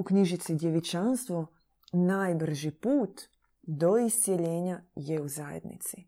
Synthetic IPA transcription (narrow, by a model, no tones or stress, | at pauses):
ukɲiʒit̪sid̪ʲjeʋit͡ʃanst̪ʋo | naːjbr̩ʒipuːt̪ | d̪o̞ist̪sjeʎeːɲajeuzajḛd̪nḭt̪si